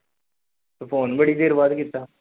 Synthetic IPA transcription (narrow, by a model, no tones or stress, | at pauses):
t̪opʰoːnbəɽid̪eːɾbaːd̪kit̪ːaː